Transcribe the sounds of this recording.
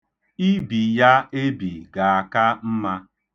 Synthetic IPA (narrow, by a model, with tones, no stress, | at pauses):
i˦bi˨ja˦e˦bi˨ɡa˨a˨ka˦m̩˦ma˦